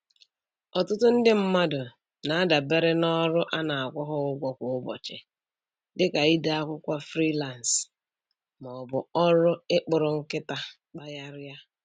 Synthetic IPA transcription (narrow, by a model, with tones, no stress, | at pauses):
ɔ˨tʊ˦tʊ˦n̩˦dɪ˦m̩˦ma˦dʊ˨ | na˨a˦da˨be˦ɾɪ˦nɔ˦ɾʊ˦ʔa˦na˨a˨kʷɔ˦ɦʊ˦ʊ˦ɡʷɔ˦kʷʊ˨ʊ˦bɔ̰˨t͡ʃɪ̰˨ | dɪ˦ka˨i˦da˦a˦kʷʊ˦kʷa˦fɾi˦la˨n˨s | mɔ˨bʊ˨ɔ˦ɾʊ˦ɪ˦k͡pʊ˨ɾʊ˨ŋ̩˦kɪ˦ta˦ | k͡pa˦ja˦ɾja˦